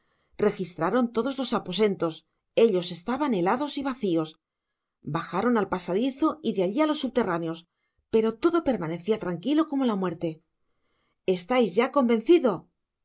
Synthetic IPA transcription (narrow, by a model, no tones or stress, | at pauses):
re̞xist̪ɾaɾo̞nt̪o̞ðo̞zlo̞sapo̞se̞nt̪o̞s | e̞ʎo̞se̞st̪aβane̞laðo̞siβaθio̞s | baxaɾo̞nalpasaðiθoiðeaʎialo̞sːuβ̚t̪e̞ranjo̞s | pe̞ɾo̞t̪o̞ðo̞pe̞ɾmane̞θiat̪ɾaŋkilo̞ko̞mo̞lamwe̞ɾt̪e̞ | e̞st̪ajzʝako̞mbe̞n̟θiðo̞